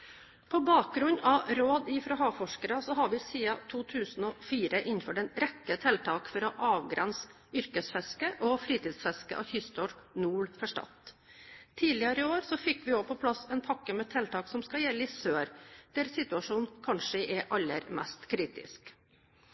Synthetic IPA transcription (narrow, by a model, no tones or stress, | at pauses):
pʰɔbɑːk̚ɡɾʉɲɑʋɾoːd̪ɪfɾoɦɑːfɔʂkəɾɑsɔɦɑɾʋɪsiːɑt̪ʰuːt̪ʰʉːsnɔfiːɾəʔɪnnfɔɖɛnɾɛkːət̪ʰɛlt̪ʰɑːkfɔɾɔʔɑːʋɡɾɛns | ʏɾkəsfɛskəʔɔfɾiːt̪ʰiːd̪sfɛskə̰ʔɑ̰çʏst̪ɔɾnuːɭfɔʂʈɑ̰t̪ | t̪ʰiːlɪəɾɪoːɾsɔfɪkːʋɪoːpʰɔpʰlɑsɛnpʰɑkːəmɛːt̪ʰɛlt̪ʰɑːksɔmskɑjɛlːəɪsøːɾd̪̥æɾsɪt̪ʉɑʂuːnkʰɑnʂəʔɛʔɑlːə̰ɾmæ̰st̪kʰɾiːt̪ɪ̰sk